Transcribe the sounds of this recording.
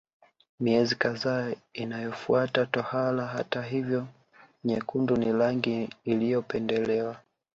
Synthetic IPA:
miɛzikaðaːinajɔfuatatɔhalaɦa̰taɦivjɔ | ɲɛkundunilaŋɡiːlijɔpɛndɛlɛwa

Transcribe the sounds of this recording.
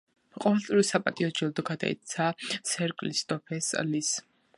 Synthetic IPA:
qʼɔvɛlˠt̪sʼiɾɔsapʼat̪ʼiɔd͡ʒɛld̪ɔɡad̪a̰ḭt̪sʰasɛɾkʼlist̪ʼɔpʰɛslis

